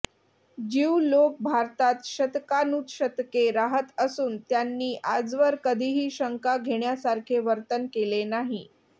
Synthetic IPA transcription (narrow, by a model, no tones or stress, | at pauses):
d͡ʑiwlok̚bʱaɾt̪at̪ɕət̪kanuːt̪ɕət̪keɾaɦət̪əsuːnt̪janːiːʔad͡zʋəɾkəd̪ʱiːɦiːɕəŋkaɡʱeɳjasaɾkʰeʋəɾt̪ənkelenaɦi